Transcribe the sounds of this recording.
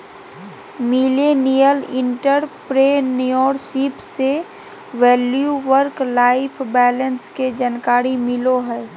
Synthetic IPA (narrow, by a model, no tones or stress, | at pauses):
milenijəlɪ̃ɳʈəɾpɾenujɔːɾsipse | ʋɛːljuʋəɾklaːɪpʰbɛːlənsked͡ʒankaːɾimɪloɦɛː